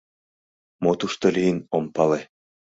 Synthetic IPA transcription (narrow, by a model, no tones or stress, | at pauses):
mot̪uʃt̪olʲijinompɑle